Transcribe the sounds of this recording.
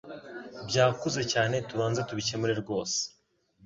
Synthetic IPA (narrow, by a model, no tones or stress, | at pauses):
bɟaːkuzecaːnet̪uβaːnzat̪uβit͡ʃemuɾeɾɡoːs